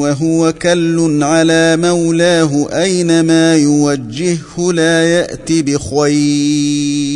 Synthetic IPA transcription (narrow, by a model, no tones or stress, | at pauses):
waɦʊwakalːʊnʕalaːmawlaːɦʊʔajnamaːjʊwad͡ʒːɪhhʊlaːjaʔt̪ibɪxwaj